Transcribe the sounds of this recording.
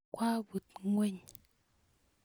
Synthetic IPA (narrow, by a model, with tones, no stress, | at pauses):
kwa˦bu˨t̚ŋwe˦˨ɲ